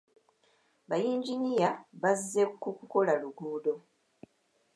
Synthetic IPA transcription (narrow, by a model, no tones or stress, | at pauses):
βajiːɲɟiɲijaβazːekukuko̞laluɡuːdo̞